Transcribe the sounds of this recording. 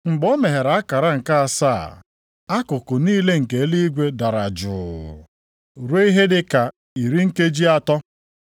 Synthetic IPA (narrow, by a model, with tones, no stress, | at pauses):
ŋ͡m̩˨ɡ͡bɔ˦me˨ɦe˨ɾa˨˦a˦ka˨ɾa˦ŋ̩˨ka˦a˨sa̰˦˨ | a˦kʊ˨kʊ˨niː˦le˦ŋ̩˨ke˨e˦li˦i˦ɡʷe˦da˨ɾa˨d͡ʒʊ̰ː˨ | ɾe˦i˦ɦe˦dɪ˦ka˨ | i˨ɾi˦ŋ̩˦ke˦d͡ʒi˦a˨tɔ˦